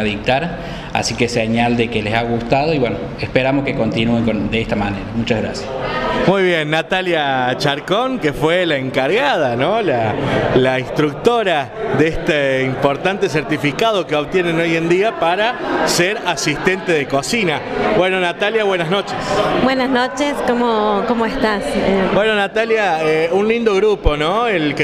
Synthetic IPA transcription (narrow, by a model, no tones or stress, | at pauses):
aðik̚t̪aɾ | a̰sikeseɲald̪ekelesaɣust̪aðo̞iβweno | espeɾamoskekont̪inueŋkond̪eest̪amaneɾamut͡ʃaɣɾa̰sjasmujβjenːat̪aljat͡ʃaɾkoŋkefwelaeŋkaɾɣað̞anolalainst̪ɾuk̚t̪oɾa | ðeest̪eimpo̞ɾt̪ant̪es̬eɾt̪ifikað̞o̞keoβt̪jeneno̞jend̪iapaɾaseɾasist̪e̞nt̪eð̞ekosinabweno̞nat̪aljaβwe̞nazno̞t͡ʃesbwenaznot͡ʃeskomokomoest̪asebwe̞no̞nat̪aljaeunlind̪oɣɾupo̞noelk